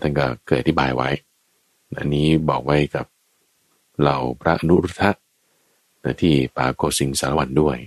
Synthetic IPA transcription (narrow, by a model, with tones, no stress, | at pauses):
t̪ʰa˥˩nkɔ˥˩kɤː˨˩t̪ʔa˨t̪ʰi˥˩baː˧jwa˦˥j | na˦˥ʔa˧nːiː˦˥bɔː˨˩k̚wa˦˥jka˨˩p̚ | ɾa˧wpʰɾa˦˥ʔa˧nu˦˥ɾu˦˥t̪ʰːa˦˥ʔ | na˧˩t̪ʰiː˥˩paː˧koː˧˩si˨˦ŋsaː˨˦la˧wa˧ndu˥˩əj